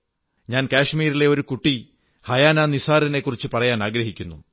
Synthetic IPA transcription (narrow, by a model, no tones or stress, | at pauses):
ɲaːnkaːʂmiːɾile̞o̞ɾukuʈːi | hɐjaːnaːnisaːɾɐne̞kːurit͡ɕːɨpɐrɐjaːnaːɡɾɐɦikʲːunːṵ